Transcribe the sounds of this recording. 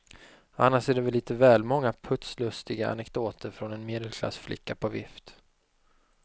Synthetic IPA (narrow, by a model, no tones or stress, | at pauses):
a̰nːaʂæɖɛvɛliːt̪əvɛːlmɔŋːapʰɵt̪slɵst̪ɪɡaa̰nɛkd̪oːt̪ʰəɾfɾɔnɛnmeːd̪ɛlkʰla̰sflɪ̰kːapʰɔvɪ̰ft̪